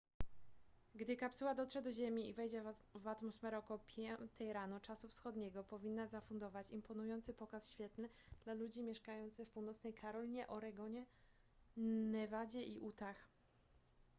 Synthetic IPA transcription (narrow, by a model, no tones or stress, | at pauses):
ɡd̪ɘkapsuwad̪ɔtʂɛd̪ɔʑemʲiivɛjd͡ʑɛvat̪mɔsfɛɾɔkɔwɔpʲʰjɛt̪ʰɛjɾanut͡ʂasufsxɔd̪ɲɛɡɔpɔvʲinːazafund̪ɔvat͡ɕimpɔnujɔnt̪sɘpɔkasɕfʲjɛt̪nɘ | d̪̥lalud͡ʑimʲjɛʂkajɔnt̪sɘfpuwnɔt̪snɛjkʰaɾɔlʲiɲɛʔɔɾɛɡɔɲɛ | nɛvad͡ʑɛʔiʔut̪ax